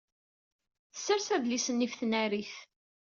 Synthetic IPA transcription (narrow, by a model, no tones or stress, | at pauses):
θə̥sːəɾsæðlisənːifθənæɾiθ